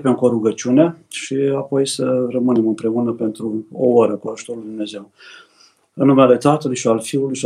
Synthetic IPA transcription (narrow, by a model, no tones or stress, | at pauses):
pemko̞ɾuɡət͡ʃuneaʃiapo̞jsərəmɨne̞mɨmpɾe̞unəpe̞nt̪ɾuoaɾəkuaʒu̥t̪oɾulid̪umneze̞w | ɨnːumeale̞t̪at̪əlujʃialfiulujʃi